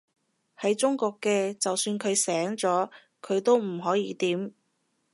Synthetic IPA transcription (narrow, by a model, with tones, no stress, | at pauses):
hɐ˨˥jt͡ʃʊ˥ŋkɔː˧kːɛː˧t͡sɐ˨wsyː˧nkʰɵ˨˧ɥsɛː˨˥ŋt͡sɔː˨˥ | kʰɵ˨˧ɥt̪o˥wm̩˨˩ɦɔː˨˥jiː˨˧t̪iː˨˥m